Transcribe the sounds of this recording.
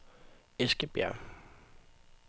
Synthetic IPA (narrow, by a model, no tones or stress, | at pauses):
esɡ̥əb̥jæ̰ɐ̰